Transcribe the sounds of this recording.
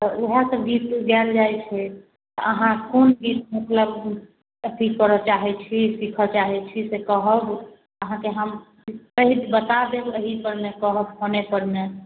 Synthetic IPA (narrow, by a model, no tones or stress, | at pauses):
əoɦasəbɡit̪ɡɛld͡ʒajt͡ʃʰɛ | t̪ə̰ʔəɦãkonɡit̪̚mukləb | əɦikːəɾɔt͡ʃaɦɛt͡ʃʰisikʰət͡ʃaɦɛt͡ʃʰisekəɦəb | əɦãkeɦəm | kəɦid̪bət̪ad̪ebəɦipəɾmekəɦəbɦonepəɾme